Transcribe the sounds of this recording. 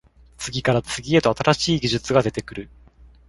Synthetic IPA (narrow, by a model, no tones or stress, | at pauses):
t͡sɨɡʲikaɾat͡sɨɡʲie̞t̪o̞at̪aɾaɕiːɡʲiʑɨt͡sɨɡad̪e̞t̪e̞kɯ̟ɾɯ̟